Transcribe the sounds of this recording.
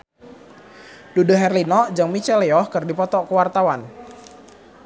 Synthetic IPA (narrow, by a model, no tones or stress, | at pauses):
dudaɦɛrlinɔd͡ʒaŋmit͡ʃɛleɔhkərdipɔt̪ɔkəwart̪awan